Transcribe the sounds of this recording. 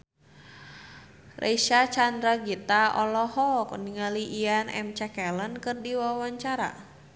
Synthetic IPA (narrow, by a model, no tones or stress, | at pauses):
rʔḛiʃat͡ʃandɾaɡit̪aɔlɔhɔkɔniŋaliʔianɛ̰mt͡ʃɛkɛlənkɨrdiwawaɲt͡ʃaɾa̰